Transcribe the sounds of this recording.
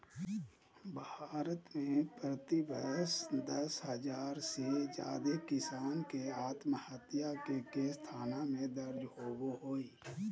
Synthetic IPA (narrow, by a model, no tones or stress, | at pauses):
bʱaːɾət̪mẽpɾət̪ibəsd̪əshəzaːɾsed͡ʒa̰ːd̪ekɪsaːnkeaːt̪məhət̪jakekest̪ʰaːnamẽd̪əɾd͡ʒɦoːboɦoːiː